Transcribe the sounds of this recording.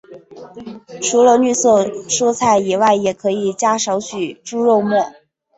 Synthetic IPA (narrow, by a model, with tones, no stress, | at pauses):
ʈ͡ʂʰu˧˥lə˧ny˥˧sɤ˥˩ʂu˥t͡sʰa˥˩ɪi˨˩wa˥˩ɪjɛ˨˩kʰɤ˧˥i˨˩t͡ɕja˥ʂɑ˧˥ʊt͡ɕʰy˨˩ʈ͡ʂu˥ɻo˥˧ʊmwɔ˥˩